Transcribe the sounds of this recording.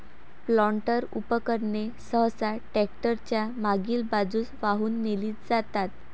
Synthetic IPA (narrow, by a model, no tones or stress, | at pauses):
plɔɳʈəɾṵpəkəɾɳesəɦsaʈɛk̚ʈəɾt͡ɕjamaɡiːlbad͡zuːsʋaɦuːnːeliːt̪d͡zat̪at̪